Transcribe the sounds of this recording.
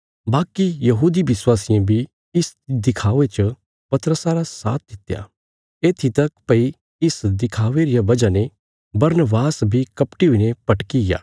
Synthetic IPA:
baːkijɐɦuːd̪ibɪswaːsɪjãbʱi | ɪsd̪ɪkʰaːʋet͡ʃə | pɐt̪ɾəsaɾasa̰ːt̪̚ʰd̪ɪt̪ja̰ː | eːt̪ʰit̪ɐkpɐi | ɪsd̪ɪkʰaːʋeɾijabɐd͡ʒane | bɐɾnəbaːsbʱikɐpʈiɦʊinepɐʈkija̰ː

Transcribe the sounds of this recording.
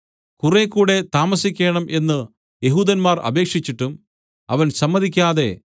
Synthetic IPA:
kurekːuːɽe̞t̪aːmɐsikʲːeːɳɐmʔe̞nːɨ | je̞ɦuːd̪ɐnmaːrɐ̰be̞ːkʂit͡ɕːiʈːum | ɐʋɐnsɐmːɐðikʲːaːðe̞̰

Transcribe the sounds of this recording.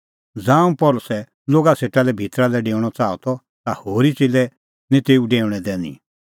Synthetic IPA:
d͡zãːũpɔlʊsɛ | loːɡaseːʈalɛbʱit̪ɾalɛɖeːʊɽ̃ɔt͡saːɔ̰t̪ɔ | t̪ahoːɾit͡silɛ | nẽt̪eːuɖeːʊɽ̃ɛd̪ɛ̃ːnḭ̃

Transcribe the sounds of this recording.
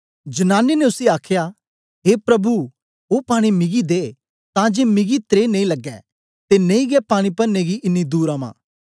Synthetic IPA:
d͡ʒɐnaːnːeneʊsiaːkʰjaː | ɦeːpɾɐbu | oːpaːɽ̃imɪɡid̪eː | t̪ãd͡ʒeːmɪɡit̪ɾeːnẽĩlɐɡːɛ̰ | t̪enẽĩɡɛpaːɽ̃ipɐɾneɡiʔɪnːid̪uːɾãmã̰ː

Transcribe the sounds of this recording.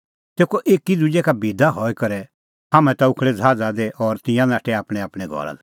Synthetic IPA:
t̪eːkoʔeːkid̪ud͡ʒɛkabid̪aɦɔikɐɾɛ | hamɛ̃t̪aʊkʰɭɛd͡zʱaːd͡zad̪eʔɔɾt̪ɪ̃jãnãːʈʰɛaːpɽ̃ɛaːpɽ̃ɛɡʱɔ̰ɾa̰d̪

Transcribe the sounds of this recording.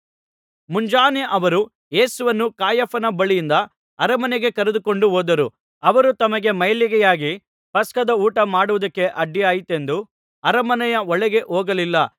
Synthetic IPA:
muɲd͡ʒaːneʔɐʋɐɾu | je̞ːsuʋɐnːukaːjɐpɐnɐbɐɭijind̪ɐ | ɐɾɐmɐnɛɡe̞kɐɾed̪uko̞ɳɖuɦoːd̪ɐɾu | ɐʋɐɾut̪ɐmɐɡe̞mɐjɐliɡɛjaːɡi | pɐskɐd̪ɐuːʈɐmaːɽuʋɐd̪ɐkːe̞ʔɐɖːijaːjit̪e̞nd̪u | ɐɾɐmɐnɛjɐɔɭɛɡe̞ʔoːɡɐlilːɐ

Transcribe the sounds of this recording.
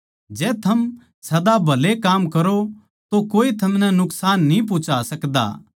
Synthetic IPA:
d͡ʒɛːt̪ʰɐm | sɐd̪abʱɐlekaːmkɐɾo | t̪okoːit̪ʰɐmnɛ̃nʊksaːnːĩp̬ʊt͡ʃasɐkd̪a̰ː

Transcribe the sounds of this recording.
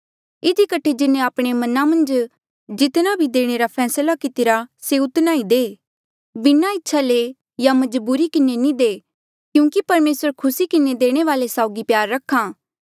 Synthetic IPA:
ɪd̪ikəʈʰed͡ʒɪnẽaːpɽ̃emɐnãmɐ̃nd͡ʒ | d͡ʒɪt̪nabʱid̪eːɽ̃eːɾapʰɛːslakɪt̪ɪɾaseʊt̪naːid̪eː | bɪnaɪtːʃʰaleː | jamɐd͡ʒbuːɾikɪnenĩd̪eː | kjũːkipɐɾmeːsəɾkʰʊsikɪned̪eːɽ̃eʋaːlesaːʊɡipjaːɾːɐkʰːaː

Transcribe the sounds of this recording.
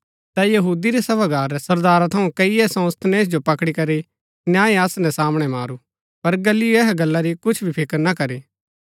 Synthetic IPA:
t̪ɛjɐɦuːd̪iɾɛsɐbaɡaːɾɛsɐɾd̪aːɾat̪ʰɐũkɐiɛsɐ̃ːst̪ʰneːs̬d͡ʒopɐkɽikɐɾi | njãːẽɐsnɛ̃saːmɽ̃ɛmaːɾu | pɐɾɡɐlːɪoɛːɦaɡɐlːaɾikʊt͡ʃʰbʱipʰɪkəɾnakɐɾiː

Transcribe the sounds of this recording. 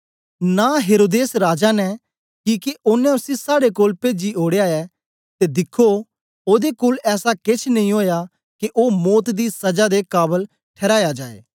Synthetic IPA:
naɦeːɾoːd̪eːsɾaːd͡ʒanɛ | kiːkeʔʊnːɛ̃ʊsisaːɽekoːlpeːd͡ʒioːɽejaːɛ | t̪ed̪ɪkʰːo | oːd̪ekoːlɛːsakɪt͡ʃʰnɐ̃ĩɦoːja | kiʔoːmɔːt̪d̪isɐd͡ʒad̪ekaːbəl | ʈʰɛːɾaːjad͡ʒaːḛː

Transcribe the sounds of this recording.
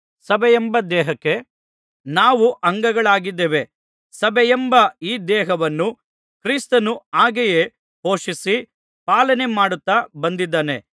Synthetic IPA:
sɐbɛjembɐd̪ɛːɦɐkːe̞ | naːʋuʔɐŋɡɐɡɐɭaːɡid̪ːeʋe̞ | sɐbɛjembɐiːd̪ɛːɦɐʋɐnːu | kɾiːst̪ɐnuaːɡeje | ho̞ːʂisi | paːlɐne̞maːɽut̪ːabɐnd̪id̪ːaːne̞

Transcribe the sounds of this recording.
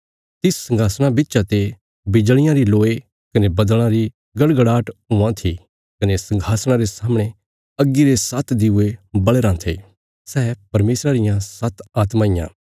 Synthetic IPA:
t̪ɪssɐ̃ŋɡʱaːsɽ̃abɪtːʃat̪e | bɪd͡ʒɭ̃ɪjãɾiloːe | kɐnebɐd̪əɭ̃ãɾi | ɡɐɽɡɐɽaːʈɦʊãt̪ʰi | kɐnesɐ̃ŋɡʱaːsɽ̃ãɾesaːmɽ̃e | ɐɡːiɾesɐt̪ʰd̪ɪʊebɐɭeɾãt̪ʰḛː | sɛːpɐɾmeːsɾaɾɪjãsɐt̪ʰaːt̪mãːɪjã̰ː

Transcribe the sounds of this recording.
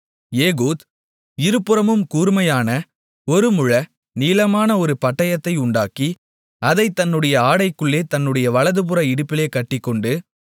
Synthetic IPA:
jeːɣoːð | ɪɾɯpːɯɾɐmɯmkuːɾmɐjaːnɐ | ɔɾɯmʊɻɐ | niːlɐmaːnɐɔɾɯpɐʈːɐjɐt̪ːɐɪʊɳɖaːki | ɐðɐɪt̪ːɐnːɯɽɐjɐaːɽɐɪkːɯɭːeːt̪ɐnːɯɽɐjɐʋɐɭɐðɯpɯɾɐɪɽɯpːɪleːkɐʈːɪkːɔɳɖɯ

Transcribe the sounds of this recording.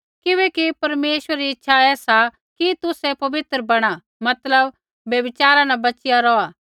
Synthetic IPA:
kɪʋɛːkipɐɾmeːʃwəɾːiɪtːʃʰaɛːsa | kit̪ʊsɛpɐbɪt̪ɾəbɐɽ̃a | mɐt̪ləbː | jɐbɪt͡ʃaːɾãnabɐt͡ʃɪjaɾɔaː

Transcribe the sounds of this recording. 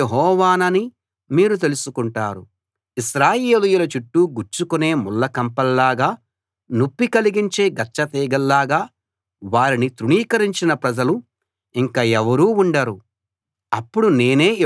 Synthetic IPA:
eɦɔːʋaːnɐni | miːɾut̪̬e̞lusukuɳʈaːɾu | iʃɾaːjeːlujulɐt͡ʃuʈːuɡuɾt͡ʃukune̞ːmulːɐkɐmpɐlːaːɡaː | nupːikɐliɡiɲt͡ʃe̞ːɡɐt͡ʃːɐt̪iːɡɐlːaːɡaː | ʋaːɾinit̪ɾuɳiːkɐɾiɲt͡ʃinɐpɾɐd͡ʒɐlu | iŋkaːɛʋɐɾuːuɳɖɐɾu | ɐpːuɽune̞ːne̞ː

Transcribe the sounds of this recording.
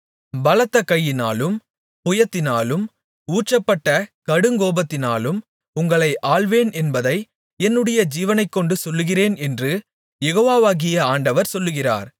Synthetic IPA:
bɐlɐt̪ːɐkːɐjːɪnaːlɯm | pʊjɐt̪ːɪnaːlɯm | uːʈt͡ʃːɐpːɐʈːɐkɐɽɯŋɡoːbɐt̪ːɪnaːlɯm | ʊŋɡɐɭɐɪʔaːɭʋeːnʔɛnbɐðɐɪ | ɛnːɯɽɐjɐd͡ʒiːʋɐnɐɪkːɔɳɖɯsɔlːɯɣɪreːnɛndrɯ | jɛɣoːʋaːʋaːɣɪjɐaːɳɖɐʋɐɾsɔlːɯɣɪra̰ːɾ

